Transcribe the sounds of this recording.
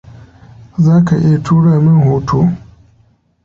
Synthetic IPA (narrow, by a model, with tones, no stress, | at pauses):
zaː˦ka˨ʔɪ˦ja˨tʰuː˦ɽaː˦˨mɪ˦ŋhoː˦tʰoː˦